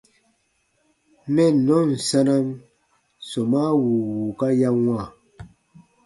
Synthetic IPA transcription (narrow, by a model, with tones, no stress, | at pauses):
mɛ˦nɔ˨˦n̩˨sa˦na˦m | sɔ˨ma˦wu˨wu˨ka˦ja˦ŋwa˦˨